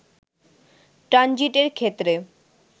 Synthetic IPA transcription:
ʈɾand͡ʑiʈeɾkʰet̪ːɾe

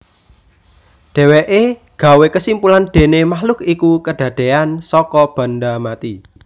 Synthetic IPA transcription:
ɖ̥ɛ̤weʔeɡ̥a̤wekəsimpulanɖ̪̥e̤nemahlʊkikukəɖ̥ä̤ɖ̪̥e̤ansɔkɔb̥a̤nɖamat̪i

